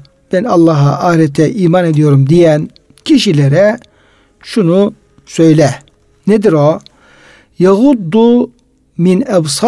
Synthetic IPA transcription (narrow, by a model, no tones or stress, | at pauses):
b̥ɛnɑlˠːɑɦɑ̰ʔaːɾɛt̪ʰɛʔiːmɑned̪ijo̞ɾumd̪ijæn | cʰiʃileɾɛ | ʃunu | sø̞jlɛ | ned̪iɾo | jaɣud̪ːu | minɛbsɑ